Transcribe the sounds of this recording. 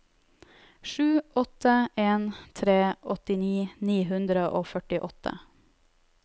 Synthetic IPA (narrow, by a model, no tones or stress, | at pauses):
ʃʉːʔɔt̪əʔeːnt̪ʰɾeːʔɔt̪ɪniːniːɦʉnd̪ɾəʔoːfœʈɪʔɔt̪ʰə̰